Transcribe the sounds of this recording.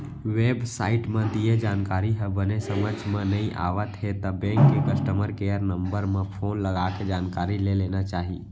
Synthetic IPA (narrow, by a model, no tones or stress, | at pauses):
ʋeːbsaːɪʈmẽd̪ijed͡ʒaːnkaːɾiɦəbənesəməd͡ʒʱmẽnəĩʔa̰ːʋət̪ɦet̪əbẽːŋkːekəsʈəməɾkejəɾnəmbəɾmẽpʰoːnləɡaked͡ʒaːnkaːɾilelenat͡ʃaːɦi